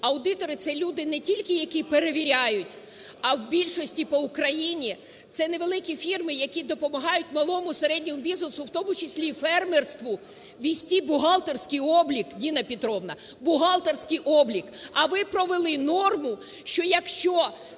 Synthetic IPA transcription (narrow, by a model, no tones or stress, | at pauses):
ɐwd̪ɪt̪ɔɾɪt̪sɛlʲud̪ɪnɛtʲilʲkɪjɐkʲipeɾeʋʲiɾʲajʊtʲ | ɐwbʲilʲʃɔsʲtʲipɔʊkɾɐjinʲi | t̪sɛneʋelˠɪkʲifʲirmɪjɐkʲid̪ɔpɔmɐɦɑjʊt̚ʲmɐlˠɔmʊseɾɛdʲnʲɔmʊbʲiznɪsʊwt̪ɔmʊt͡ʃɪsʲlʲifɛrmerst̪ʋʊ | ʋʲisʲtʲibʊɦɑlˠt̪ersʲkɪjɔblʲikdʲinɐpʲit̪ɾɔʋnɐ | bʊɦɑlˠt̪ersʲkɪjʔɔblʲikɐʋɪpɾɔʋelˠɪnɔrmʊ | ʃt͡ʃɔjɐkʃt͡ʃɔ